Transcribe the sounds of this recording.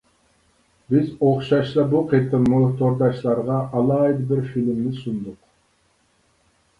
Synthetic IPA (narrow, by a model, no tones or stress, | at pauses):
bizoχʃɑʃsɑbuqʰit̪ɯnmot̪oɾd̪ɑʃlˠɑɾʁɑʔɑlˠɑjd̪biɾfilʲmnɪsund̪ʊq